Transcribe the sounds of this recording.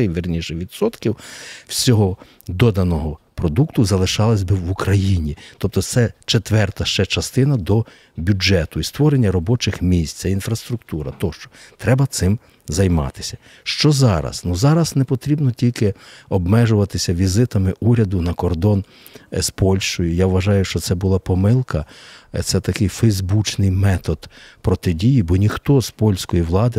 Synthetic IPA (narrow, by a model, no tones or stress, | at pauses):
ɪʋɪrnʲiʃɛʋʲid̪sɔt̪kʲiwwsʲɔɦɔ | d̪ɔd̪ɐnɔɦɔ | pɾɔd̪ukt̪ʊzɐlˠɪʃɑlˠɐsʲbɪwukɾɐjinʲit̪ɔp̚t̪ɔt̪sɛt͡ʃet̪ʋɛrt̪ɐʃt͡ʃɛt͡ʃɐst̪ɪnɐd̪ɔ | bʲud͡ʒɛt̪ʊist̪ʋɔɾenʲːɐɾɔbɔt͡ʃɪxmʲisʲt̪ʲtsɛinfɾɐst̪ɾʊkt̪uɾɐ̰t̪ɔʃt͡ʃɔ̥t̪ɾɛbɐt̪sɪm | zɐjmɑ̰t̪ɪ̥sʲɐ̥ | ʃt͡ʃɔzɑɾɐ̰snuzɑɾɐsnɛpɔt̪ɾʲibnɔtʲilʲkɪɔbmɛʒʊʋɐt̪ɪsʲɐʋʲizɪt̪ɐmɪʔuɾʲɐd̪ʊnɐkɔrd̪ɔn | spɔlʲʃt͡ʃɔjʊjaʋʋɐʒɑjʊʃt͡ʃɔt̪sɛbʊlˠɑpɔmɪlˠkɐt̪sɛt̪ɐkɪjfɛjzbut͡ʃnɪjmɛt̪ɔd̪pɾɔt̪ɪdʲijibɔnʲixt̪ɔzpɔlʲsʲkɔjiʋlˠɑd̪ɪ